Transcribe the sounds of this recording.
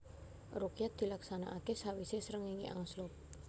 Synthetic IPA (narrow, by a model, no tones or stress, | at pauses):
rukijat̪̚d̪̥i̤laksana̰ʔakesawisesəɾəŋiŋḭʔa̰ŋslɔp̚